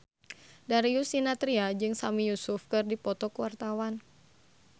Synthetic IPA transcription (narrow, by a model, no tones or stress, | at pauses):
daɾiusinat̪ɾiad͡ʒɨŋsamijusʊfkɨrdipɔt̪ɔkəwart̪awan